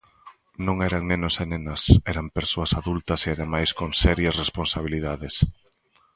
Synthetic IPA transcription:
nõŋɛɾɐŋnẽnʊsenenɐsɛɾɐmpeɾsoɐsaðult̪ɐseaðemajskoŋsɛɾjɐsresponsaβ̞iliðaðɪs

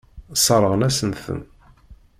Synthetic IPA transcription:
sˤɑɾˤəʁənæsənθə̰n

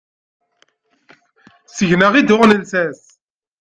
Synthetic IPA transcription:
səʝnəʁid̪ʊʁnənsæs

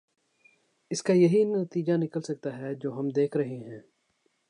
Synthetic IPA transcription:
ɪskajɐɦinɐt̪iːd͡ʒanɪkəlsɐk̚t̪aɦɛd͡ʒoːɦɐmd̪eːkʰɾɐɦeɦɛ̃ː

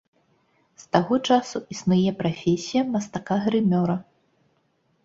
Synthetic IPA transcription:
st̪aɣɔt͡ʂasuisnujɛpɾafʲesʲijɐmɐst̪akaɣɾɨmʲɔɾɐ

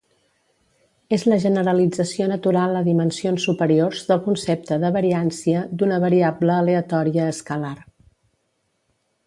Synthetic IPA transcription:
ezləʒənəɾəlid͡zəsionət̪uɾalˠd̪əðimənsionsːupəɾiorzðəlˠkunsep̚t̪əðəβəɾiansiəd̪unəβəɾiabləːleət̪ɔɾiəːskəlar

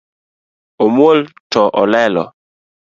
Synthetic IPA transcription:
omwoltɔʔɔlɛlɔ̰

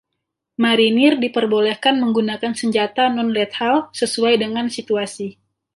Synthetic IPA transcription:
maɾinɪrdipərbolɛhkanməŋɡunakansəɲd͡ʒat̪anɔnlɛt̪̚halsəsuajdəŋansit̪uasi

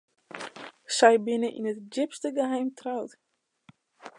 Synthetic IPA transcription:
sɛjbɪnəʔḭnətd͡ʒɪpstəɡəɦɛjmtrawt

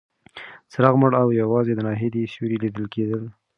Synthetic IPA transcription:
sɾɑɣməɽawjawɑzed̪ənɑɦed̪eseɾilid̪əlked̪əl

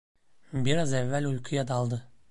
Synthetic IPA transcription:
biɾɑzævːælʲujqʰujɑd̪ɑlˠd̪ɯ

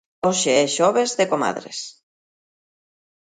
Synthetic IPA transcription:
oʃeɛʃɔβezðekoma̰ðɾḛs

